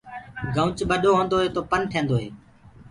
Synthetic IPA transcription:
ɡʱə̃ʊt͡ʃɓəɗoːɦõːnd̪oːɦeːt̪oːpənʈʰẽːnd̪oːɦḛː

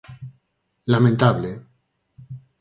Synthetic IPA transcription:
lamẽnt̪aβle

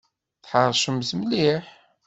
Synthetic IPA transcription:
θħəɾˤʃəmzmliħ

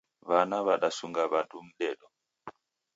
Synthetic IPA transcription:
βanaβaɗasuŋɡaβadum̩ɗɛɗɔ

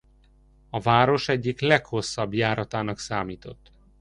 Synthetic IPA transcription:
ɒvaːɾo̞ʃɛɟːiklɛkho̞sːɒbjaːɾɒt̪aːnɒksaːmiːt̪o̞t̪ː

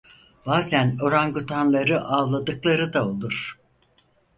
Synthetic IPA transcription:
baːzæno̞ɾanɡut̪ʰanlˠaɾɯʔaːlˠad̪ɯklˠaɾɯd̪ao̞lˠuɾ̥

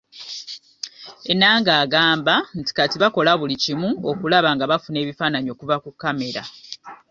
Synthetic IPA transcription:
e̞nːaːŋɡaːɡaːmbanti̥katiβako̞laβulicimuokulaβaŋɡaβafune̞ːβifaːnaɲio̞ːkuvakukːame̞ɾa̰

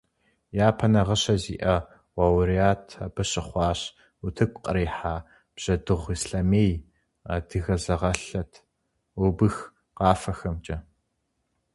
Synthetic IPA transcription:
jaːpʰɐnɐʁɐɕɐzḭːʔɐ | wawɾijaːtʰɐ̰bɐɕʼɪχʷɑːɕ | utʰɨkʷʼqʼɐɾeːħaː | b̥ʑ̥ɐdɨʁʷiːsɬameːj | adɨɣɐzɐʁɐɬɐtʰ | ʊbɨx | qɑːfɐxɐmt͡ʃʼɐ

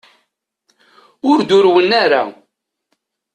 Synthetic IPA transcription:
ʊɾd̪ʊɾwənaɾa̰

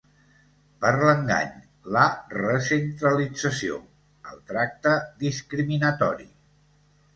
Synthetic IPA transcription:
pəɾləŋɡa̰ɲ | lərəsənt̪ɾəlid͡zəsio̰ | ə̰lˠt̪ɾak̚t̪əðiskɾiminət̪ɔ̰ɾḭ

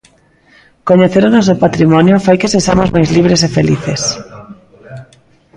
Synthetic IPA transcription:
koɲeθeɾonos̬opat̪ɾimɔnjofajkeseʃamozmajzliβ̞ɾesefelḭθes

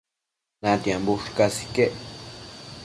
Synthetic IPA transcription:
nãt̪jãmbuʂkasi̥keʔ

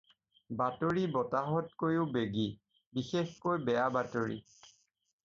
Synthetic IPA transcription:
batoɹibɔtaɦɔt̚kojubeɡi | bixexkojbɛjabatoɹḭ

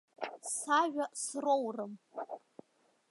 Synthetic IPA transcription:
saʒᶣasrowrɨm

